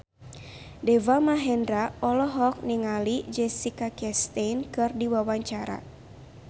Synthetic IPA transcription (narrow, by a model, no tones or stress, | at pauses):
dɛvamaɦɛndɾaɔlɔɦɔk̚niŋalid͡ʒɛsikakɛst̪ejnkɨrdiwawaɲt͡ʃaɾa̰